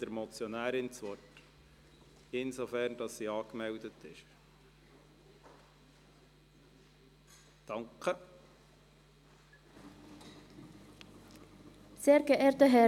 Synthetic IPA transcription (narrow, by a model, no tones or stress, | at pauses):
d̥əɾmɔt͡sjɔnæːɾɪnt͡sʋɔt | ɪnsofæɾnd̥ɑsːiːɑːkmɛldətɪʃ | d̥ɑŋkə | seːɾɡəʔeːɾtəɦɛ